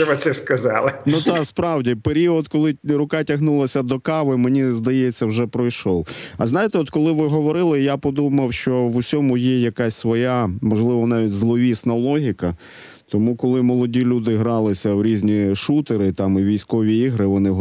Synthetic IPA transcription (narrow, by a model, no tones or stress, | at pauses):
ɔʋɪt̪sɛskɐzɑlˠɪnut̪ɑkspɾɑwdʲipeɾʲiɔd̪kɔlˠɪɾʊkɑtʲɐɦnulˠɐsʲɐd̪ɔkɑʋɪmenʲizd̪ɐjɛt͡sʲːɐwʒɛpɾɔjʃɔwɐznɑjɪt̪ɛɔt̪kɔlˠɪʋɪɦɔʋɔɾɪlˠɪjapɔd̪umɐwʃt͡ʃɔʋʊsʲɔmʊjɛjɐkasʲsʋɔjamɔʒlˠɪʋɔnɑʋʲitʲzlˠɔʋʲisnɐlˠɔɦʲikɐ | t̪ɔmukɔlˠɪmɔlˠɔdʲilʲud̪ɪɦɾɑlˠɪsʲɐwɾʲizʲnʲiʃut̪eɾɪt̪ɑmiʋʲijsʲkɔʋʲiiɦɾɪʋɔnɪ